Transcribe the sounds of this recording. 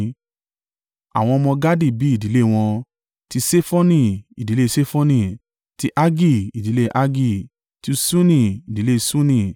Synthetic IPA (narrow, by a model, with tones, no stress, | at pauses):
a̰˨w̃ɔ̃˧ɔ˧mɔ̃˧ɡa˦di˦˨bi˨˦i˦˨di˨˦le˦˨w̃ɔ̃˧ | ti˧se˦fɔ˦nĩ˧˨i˨di˨le˦˧se˦fɔ˦nĩ˧˨ | ti˧ʔa˦ɡi˦˨i˨di˨˦le˦ʔa˦ɡi˦˨ | ti˧sũ˦nĩ˦˨i˨di˨˦le˦˧sũ˦nĩ˧˨